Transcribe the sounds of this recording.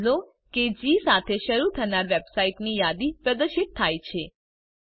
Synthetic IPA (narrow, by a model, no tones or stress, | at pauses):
zo | ked͡ʒisat̪ʰeʃəɾut̪ʰənaɾʋebsaiʈnijad̪ipɾəd̪əɾʃɪt̪̚t̪ʰːajt͡ʃʰe